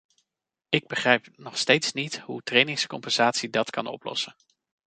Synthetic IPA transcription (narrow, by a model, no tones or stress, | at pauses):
ɪɡ̚bəχrɛjpnɔχstejtsnitɦutrejnɪŋskɔmpɛnz̥aːtsidɑtkɑ̰nɔ̰plɔ̰sən